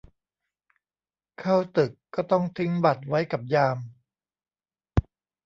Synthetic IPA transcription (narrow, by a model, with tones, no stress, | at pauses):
kʰaː˥˩wt̪ɯ˨˩kːɔː˥˩t̪ɔ˥˩ŋt̪ʰɯ˦˥ŋba˨˩t̪̚wa˦˥jka˨˩p̚jaː˧m